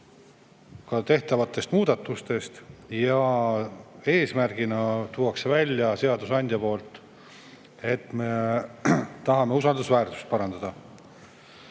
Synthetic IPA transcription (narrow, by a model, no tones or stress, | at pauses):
kɑt̪e̞ht̪ɑvɑt̪ːˑe̞st̪muːd̪̥ɑt̪ːˑust̪e̞st̪jɑ | e̞ːsmærɡ̥inɑt̪uwɑksevælʲːjɑse̞ɑd̪usɑnʲd̪̥ʲjɑpo̞ːlt̪ˑ | e̞t̪me̞ | t̪ɑɦɑme̞usɑld̪usvæːrt̪u̥st̪̚pɑɾɑnd̪̥ɑd̪̥ɑ